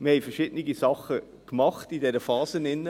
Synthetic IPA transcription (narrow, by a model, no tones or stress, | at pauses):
məhɛɪjfəɾʃɪd̥nɪɡisɑχːə | kmɑχtidɛɾəfɑːzənɪnːə